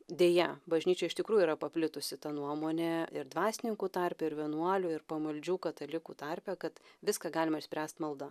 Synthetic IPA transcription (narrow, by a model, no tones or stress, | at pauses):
d̪ʲeːjɛbɐʒʲnʲiːt͡ʃʲɛɪʃt̪ʲɪkɾuːjuiːɾɐpɐpʲlʲɪt̪ʊsʲɪt̪ɐnuɔmoːnʲɛɪɾd̪ʋɑːsʲɪnʲɪŋkuːt̪ɐɾʲpʲɛɪɾʋʲiɛnuɔlʲʊɪɾpɐmɐlʲd͡ʒʲuːkɐt̪ɐlʲɪkuːt̪ɐɾʲpʲɛkɐt̪ʋʲɪskɑɡɑːlʲɪmɐɪʃʲsʲpʲɾʲæːst̪mɐlˠd̪ɐ